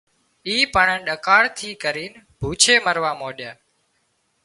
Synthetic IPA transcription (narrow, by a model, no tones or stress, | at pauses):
iːpəɳə̃ːɗəkaːɭt̪ʰiːkəɾiːn | bʱuːt͡ʃʰeːməɾʋaːmoːɗjaː